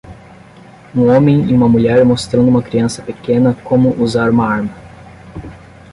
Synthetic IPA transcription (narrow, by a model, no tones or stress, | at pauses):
ũõmẽj̃iũmɐmuʎɛɾmost̪ɾɐ̃d̪ʊũmɐkɾiɐ̃sɐ̥pekẽnɐkõmʊʔuzaɾũmɐaɾmɐ